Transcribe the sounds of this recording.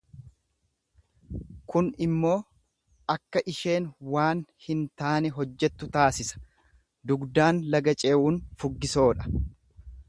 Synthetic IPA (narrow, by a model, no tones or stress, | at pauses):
kʊnɪmːo̞ː | ʔɐkːɐʔɪʃe̞ːnwaːnhɪnt̪aːnɛɦɔd͡ʒːɛt̪ːʊt̪aːsɪsɐ̥ | d̪ʊɡd̪aːnlɐɡɐt͡ʃʼe̞ːʔuːnfʊɡːɪso̞ːᶑɐ̥